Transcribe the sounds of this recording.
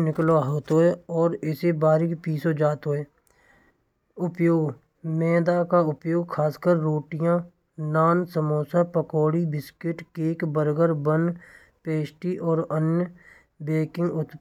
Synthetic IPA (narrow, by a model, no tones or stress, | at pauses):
nɪkloɦoːt̪oːeɔːɾɪsebaːɾɪkpiːsod͡ʒaːt̪ɦoːeː | ʊpjoːɡ | mɛ̃ːd̪akaʊpjoːɡkʰaːskəɾːoːʈɪjã | naːnsəmoːsapəkoːɽibɪskɪʈkeːkbəɾɡəɾbən | peːsʈiʔɔːɾənjə | beːkɪ̃ŋɡʊt̪